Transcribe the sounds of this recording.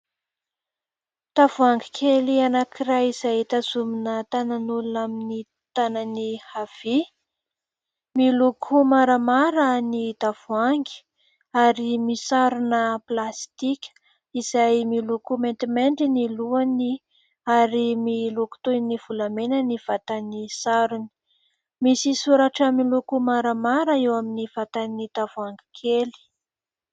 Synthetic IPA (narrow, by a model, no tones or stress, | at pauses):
d̪̥avuaŋɡikʰelianakʰiɾajizajt̪azuminət̪ananulunamini | t̪ananihav̥i | milokʰumaɾamaɾənid̪av̥uaŋɡi̥ | aɾimisaɾunəplast̪ikʲ | iz̥ajmilokument̪imeɳɖ͡ʐiniluani | aɾimiloku̥t̪univ̥ulamenəniv̥at̪anisaɾuni̥ | misisuɾaʈ͡ʂəmilukumaɾamaɾəewaminiv̥at̪anid̪avuaŋɡi̥kʰeli̥